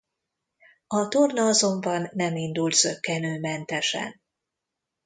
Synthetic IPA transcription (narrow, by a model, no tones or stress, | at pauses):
ɒt̪ornɒɒzo̞mbɒnːɛmind̪ult̪sø̞kːɛnøːmɛnt̪ɛʃɛ̰n